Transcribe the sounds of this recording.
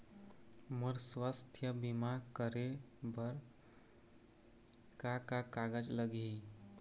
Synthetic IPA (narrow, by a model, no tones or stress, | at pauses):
məɾswast̪ʰjəbimakəɾebəɾ | kakakaɡəd͡ʒləɡi